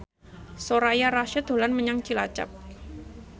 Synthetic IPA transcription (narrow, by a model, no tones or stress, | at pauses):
soɾajaɾaʃəd̪o̤lanməɲaŋt͡ʃilat͡ʃa̰p̚